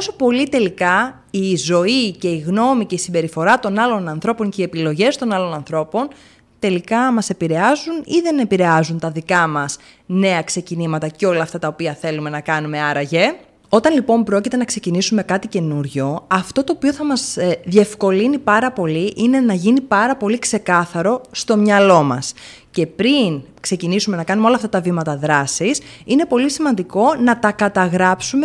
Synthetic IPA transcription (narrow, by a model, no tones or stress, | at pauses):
oso̞po̞lit̪e̞likɐ | izo̞ice̞iɣno̞mice̞isimbe̞ɾifo̞ɾɐt̪o̞nɐlo̞nɐnθɾo̞po̞ŋce̞iepilo̞ʝe̞st̪o̞nɐlo̞nɐnθɾo̞po̞n | t̪e̞likɐmɐse̞piɾe̞ɐzuniðe̞ne̞piɾe̞ɐzunt̪ɐðikɐmɐs | ne̞ɐkse̞cinimɐt̪ɐceo̞lɐːft̪ɐt̪ɐopiɐθe̞lume̞nɐkɐnume̞ɐɾɐʝe | o̞t̪ɐnlipo̞mpɾo̞cit̪e̞nɐkse̞cinisume̞kɐt̪ice̞nuɾʝo̞ɐft̪ot̪o̞ːpio̞θɐmɐzðie̞fko̞linipɐɾɐpo̞liʔine̞nɐʝinipɐɾɐpo̞likse̞kɐθɐɾo̞st̪o̞mɲɐlo̞mɐ̰s | ce̞pɾin | kse̞cinisume̞nɐkɐnumeo̞lɐft̪ɐt̪ɐvimɐt̪ɐðɾɐsisine̞po̞lisimɐnd̪iko̞nɐt̪ɐkɐt̪ɐɣɾɐpsume